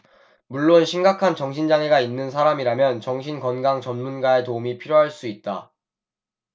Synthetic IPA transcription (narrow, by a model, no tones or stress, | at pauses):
muɭːonɕʰimɡakʰant͡ɕʌŋɕʰind͡ʑaŋe̞ɡainːɯns̬ʰaɾamiɾamjʌnt͡ɕʌŋɕʰinkʌnɡaŋt͡ɕʌnmunɡae̞toumipʰiɾjoɦaɭs͈uit̚t͈a